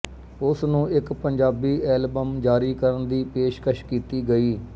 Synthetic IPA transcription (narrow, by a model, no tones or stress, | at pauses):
ʊsnũːɪkpəɲd͡ʒaːbiːʔɛːlbəmd͡ʒaːɾiːkəɾənd̪iːpeːʃkəʃkiːt̪iːɡəiː